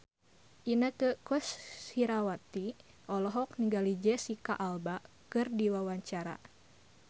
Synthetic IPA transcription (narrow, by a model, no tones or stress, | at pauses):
ʔinəkəkɔsiɾawat̪i | ʔɔlɔɦɔk̚niŋɡalid͡ʒɛsikaʔalba | kɨrdiwawaɲt͡ʃaɾa̰